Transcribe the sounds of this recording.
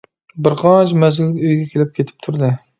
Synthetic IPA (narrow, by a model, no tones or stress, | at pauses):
bɪɾqʰɑt͡ʃmɛzɪlɡʲyjɡʲɛkʲʰelɪp̚kʲʰet̪ʰɪ̥p̚t̪ʰuɾd̪ɨ